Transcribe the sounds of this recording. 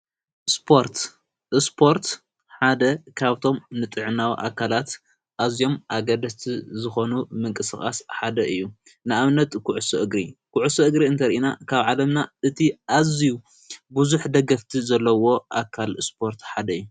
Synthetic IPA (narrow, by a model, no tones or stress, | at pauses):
spʰo̞ɾt̪ | ʔɨspʰo̞ɾt̪ | ħad̪ɐkʰaβt̪ʰo̞mnɨt̪ʼɨʕɨnawḭʔa̰kʰːalat̪ | ʔazijo̞mʔaɡɐd̪ɐst̪ʰizɨxo̞numɨŋkʼɨsɨxʼa̰sħad̪ɐʔɨjːu | nɨaβnɐt̪kʰuʕusoʔɨɡɾikʰuʕusoʔɨɡɾiɨnt̪ʰɐɾiʔina̰kʰaβʕalɐmnaɨt̪ʰiʔaziju | buzuħd̪ɐɡɐft̪ʰizɐlːɐwo̞ʔakʰalspʰo̞ɾt̪ħad̪ɐɨjːu